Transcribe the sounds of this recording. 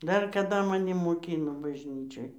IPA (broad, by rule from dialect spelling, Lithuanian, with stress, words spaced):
ˈdɐr kɐˈdɐ mɐˈnʲɪ moːˈkʲiːnoː bɐʒʲˈnʲiːt͡ʃʲoːj